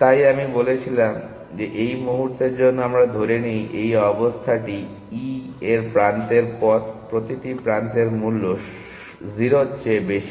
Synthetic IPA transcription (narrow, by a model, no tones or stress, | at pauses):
t̪ajamibolet͡ɕʰilam | d͡ʑeʔejmuɦuɾt̪eɾd͡ʑonːoamɾad̪ʱoɾenijʔejɔbost̪ʰaʈi | ieɾpɾant̪eɾpɔt̪pɾot̪iʈipɾant̪eɾmulːo | ziɾotːɕebeʃi̥